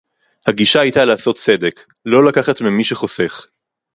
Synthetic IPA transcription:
haɡiʃaajtalaːso̞t̪t͡se̞d̪e̞k | lo̞lakaχat̪mimiʃeχo̞se̞χ

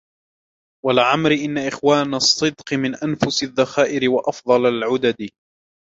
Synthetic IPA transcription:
walʕamɾɪʔɪnːaʔɪxwaːnɑsˤːɨd̪qɨmɪnʔanfʊsɪðːaxaːʔɪɾɪwaʔɑfd̪ˤɑlalʕʊd̪ad̪

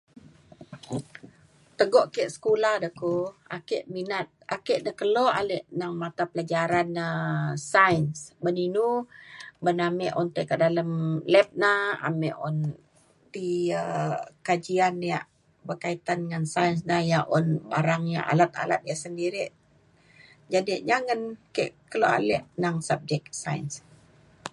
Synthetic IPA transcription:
t̪əɡɔʔkeʔsə̥kulahdəkoa̰keʔminat̪̚akeʔnəkəlɔʔaleʔnaŋmat̪apəlad͡ʒaɾanəsaənsbəninu | bənamɛʔɔnt̪əkədaləmlɛp̚naha̰mɛʔɔn | t̪iəkad͡ʒianːijaʔ | bərkait̪anŋansaəns̬nahjaʔɔnbaɾaŋja̰ʔa̰lat̪̚a̰la̰t̪̚diaʔsəndiɾiʔ | d͡ʒadiʔɲaŋənkeʔkəloa̰lɛʔnaŋsap̚d͡ʒɛk̚sa̰ins

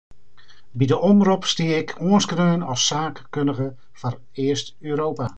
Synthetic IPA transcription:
bidəʔɔmrupstiəɪkʰuənskrøːnɔlˠsaːkkøndəɣə | fɔr | ɪəst | øːɾoːpa

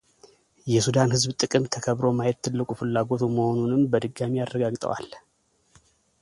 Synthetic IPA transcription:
jɛsud̪anhɨzbt̪ʼɨkʼɨmt̪ʰəkʰəβɾo̞majɛt̪ʰːɨlːɨkʼufɨlːaɡo̞t̪ʰuməho̞nunɨmbəd̪ɨɡamijarːəɡaɡt̪ʼə̰wa̰l

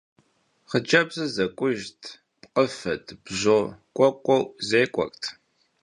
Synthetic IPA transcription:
χəd͡ʒʼɐbzɨzɐkʷʼʊʒtʰ | pqʼəfɐtʰʼb̥ʑoːkʷʼɔkʷʼɔwzeːkʷʼɔ̰kʼtʰ

